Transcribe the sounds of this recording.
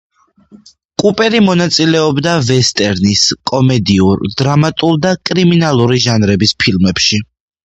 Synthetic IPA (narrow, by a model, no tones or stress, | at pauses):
kʼupʼɛɾimɔnat̪sʼilɛɔbd̪avɛst̪ʼɛɾniskʼɔmɛd̪iuɾd̪ɾamat̪ʼuɾd̪akʼɾiminalˠuɾiʒanɾɛbispʰilˠmɛpʃi